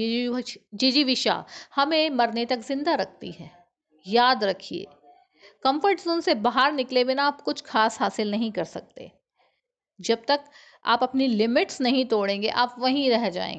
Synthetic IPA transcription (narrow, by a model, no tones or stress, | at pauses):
d͡ʒiːd͡ʒiʋɪʃa̰hɐmẽmɐɾnet̪ɐkzɪ̃nd̪aɾɐk̚ʰt̪ḭɦɛː | jaːd̪ɾɐkʰiḛː | kɐ̃mfəɾʈzõːnsebaɦaɾnɪklewenaaːpkʊt͡ʃʰxaːsɦaːsɪlnɐɦĩkɐɾsɐk̚t̪ḛː | d͡ʒɐb̚t̪ɐk | a̰ːpɐpnilɪmɪʈsnɐɦĩt̪oːɽẽːŋɡeʔaːpʋɐɦĩɾɛɦd͡ʒa̰ːḛ̃ŋɡ